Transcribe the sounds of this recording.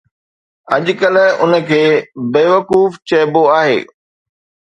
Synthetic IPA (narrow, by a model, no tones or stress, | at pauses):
ɐʄ̆kəlʊ̰nə̆kʰeːbeːʋɐkuːft͡ɕɐːboaːɦḛː